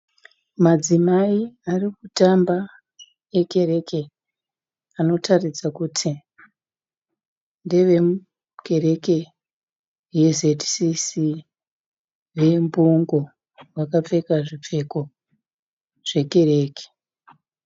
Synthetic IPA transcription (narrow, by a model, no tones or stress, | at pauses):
mad͡zimaiarikutamba | e̞ke̞ɾe̞ke̞ | ano̞tʰarid͡zakutʰi | nde̞ʋe̞mu | ke̞re̞ke̞ | je̞zetsisi | ʋe̞mbuŋɡo̞ | ʋakap͡fe̞kaʐip͡fe̞ko̞ | ʐ̥e̞ke̞ɾe̞ːke̥